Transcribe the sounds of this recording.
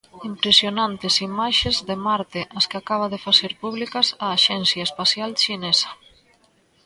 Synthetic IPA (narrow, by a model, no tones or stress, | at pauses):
impɾesjonant̪esimaʃezðemaɾt̪eʔaskeakaβ̞aðefaseɾpuβlikasaːʃɛnsjaespasjalʃinesḁ